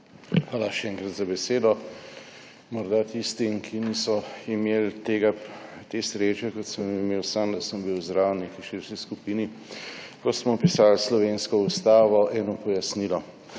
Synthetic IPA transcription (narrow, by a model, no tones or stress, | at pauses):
xʋaːlaʃɛɛːŋkɾat̪zabɛseːd̪ɔ | mɔɾd̪at̪ist̪imkʰinisɔimelt̪eɡat̪esɾet͡ʃɛkɔt̪səmimeːwsamd̪ɐsəmbiwzd̪ɾaːwnikiʃiɾʃkiskupiːni | kɔsmɔpisalslɔʋeːnskɔust̪aːʋɔʔɛːnɔpɔjasniːlɔ